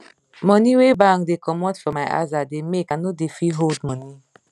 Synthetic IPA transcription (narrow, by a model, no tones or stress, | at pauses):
mɔ̃niwebãŋkdekɔmɔ̃tfɔmajʔa̰zademekanodefiɦoldmɔ̃ni